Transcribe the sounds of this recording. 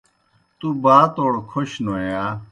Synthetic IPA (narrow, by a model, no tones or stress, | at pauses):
t̪ubaːt̪oːɽkʰoɕnoːjaː